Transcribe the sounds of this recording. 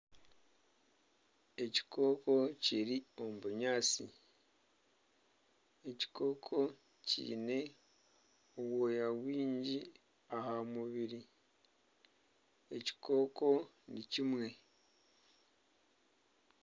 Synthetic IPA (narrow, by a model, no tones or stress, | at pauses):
e̞ci̥ko̞ːko̞ciɾio̞muβuɲaːt͡sḭ | eci̥kʰo̞ːkʰo̞ | cḭːne̞ | owojawiːɲɟi | ahamuβiɾi | e̞ci̥ko̞ːko̞ | nicimwe̞